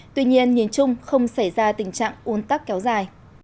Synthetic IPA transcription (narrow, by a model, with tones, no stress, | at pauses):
t̪wi˧ɲi˧ənɲi˨˩ənt͡ɕʊ˧ŋ͡mxə˧wŋ͡msa˧˩jzaː˧t̪ï˨˩ŋ̟t͡ɕa̰ː˧˨ŋʔu˨˦ənt̪a˦˥k̚kɛ˨˦wzaː˨˩j